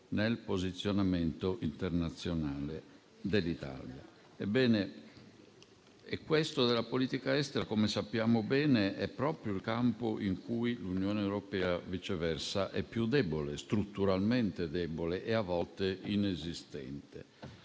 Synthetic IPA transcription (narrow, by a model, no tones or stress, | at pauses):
nelpozit̪sːjonament̪oʔint̪eɾnat̪sːjonaːle | d̪elːit̪a̰ːlja̰ | ebːɛːne | ekːwest̪od̪elapoliːt̪ikaɛst̪ɛɾakomesapːjaːmobɛːneʔɛpːɾɔːpɾjoilkampoʔiŋkuilunjɔːnewɾopɛːavit͡ʃɛvɛrsaʔɛpːjud̪ɛbolest̪ɾut̪ːuɾalmɛnt̪ed̪ɛboleʔeavːɔlt̪eʔinezist̪ɛ̰nt̪ḛ